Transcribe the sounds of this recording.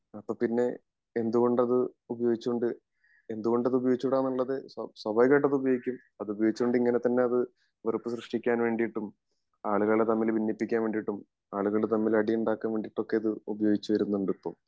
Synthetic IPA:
ɐpːoːpːinːe̞ | end̪uɣo̞ɳɖɐðɨubɐjo̞ːɡit͡ɕːuoɳɖɨ | e̞nd̪uɣo̞ɳɖɐðɨubɐjo̞ːɡit͡ɕːuʋɽaːnːɐɭːɐðesɐswɐbɐjɣeʈ̬ːɐðubɐjo̞ːɡikʲːum | ɐðɨubɐjoɡit͡ɕːuoɳɖiŋːɐne̞t̪ɐnːe̞ɐðɨ | ʋɐrupːɨɕrɨʂʈikʲːaːnʋe̞ːɳɖijiʈːum | aːɭuɣɐɭet̪ɐmːilbʱinːipːikʲːaːnʋe̞ːɳɖiiʈːum | aːɭuɣɐɭet̪ɐmːilɐɽijuɳɖaːkːaːnʋe̞ːɳɖiʈːo̞kːe̞ɐðɨubɐjo̞ːɡit͡ɕːuʋɐɾunːuɳɖɨpːo̰ː

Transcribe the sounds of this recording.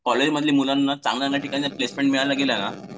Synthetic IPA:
kɔled͡ʑməd̪ʱliːmulanːat͡sã̰ŋɡlanːjaʈikaniaplesmẽɳʈmiɭalaɡeljana

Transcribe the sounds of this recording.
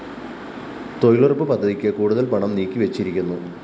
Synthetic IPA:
t̪o̞jɭurpːɨpɐd̪ʱːɐðikʲːɨkuːɽuðɐlpɐɳɐmniːkʲːiʋet͡ɕːiɾikʲːunːu

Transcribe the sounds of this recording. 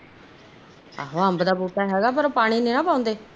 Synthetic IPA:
a̰ːɦoːɦəmbd̪aːbuːʈaːɦɛːɡaːp̬əɾopaːɽ̃iːnẽːnãːpaːʊ̃nd̪eː

